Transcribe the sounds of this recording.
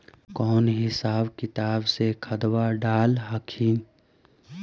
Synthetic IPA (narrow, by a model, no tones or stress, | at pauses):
kɔːnɦɪsaːbkɪt̪aːbsekʰəd̪waɖaːlɦəkʰiːn